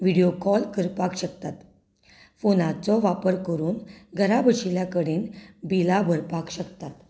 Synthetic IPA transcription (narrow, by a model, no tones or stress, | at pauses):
ʋiɽijokɔlkəɾpakɕək̚t̪at̪ | fonat͡sɔʋapəɾkəɾuːnɡʱəɾabʱəɕiljakəɽinbilabʱəɾpakɕəkt̪at̪